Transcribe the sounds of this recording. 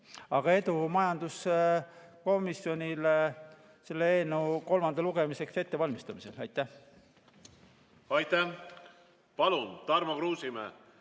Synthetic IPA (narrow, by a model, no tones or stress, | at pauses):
ɑɡ̥ɑe̞d̪umɑjɑnd̪̥us | ko̞misjo̞nʲil | se̞lːeeːnuko̞lmɑnd̪ɑluɡ̥e̞mise̞kse̞t̪ːe̞vɑlʲmist̪ɑmise̞̰lɑjt̪ːˑæh | ɑjt̪æh | pɑlunt̪ɑrmɑkruːsimḛ